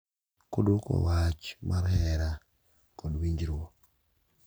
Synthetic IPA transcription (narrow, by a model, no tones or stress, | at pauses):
kodukɔ̰wat͡ʃmʔaɾhɛɾa | kɔdwiɲd͡ʒɾɔ